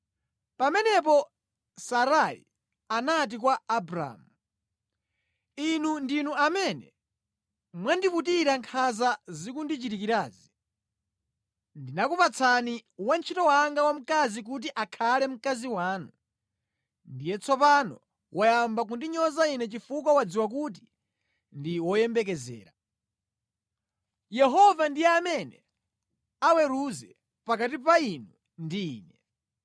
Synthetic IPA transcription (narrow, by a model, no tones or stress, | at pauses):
pamɛnɛp̬ɔ | saɾaḭ | anat̬ikwaːbɾa̰mu | inundinuamɛnɛ̰ | mwandiputiɾaŋkʰazazikundit͡ʃitikiɾaːzi | ndinakupat͡sʰaniwant͡ʃʰitɔwaŋɡawam̩kazik̬ut̬iʔakʰalɛm̩kaziwaːnu | ndijɛt͡sʰɔpanɔ̰ | wʔajambak̬undiɲɔzainɛt͡ʃifuk̬wawad͡ziwak̬ut̬i̥ | ndiwɔjɛmbɛk̬ɛzɛ̰ːɾa | jɛɦɔvandijɛamɛnɛ | awɛɾuzɛ | pakatipainu | ndiḭːnɛ